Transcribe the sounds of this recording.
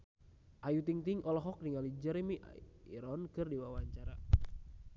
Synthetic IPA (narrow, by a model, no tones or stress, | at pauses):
ʔajut̪iŋt̪iŋʔɔlɔɦɔk̚niŋalid͡ʒɛɾemiʔiɾɔnkɨrdiwawaɲt͡ʃaɾa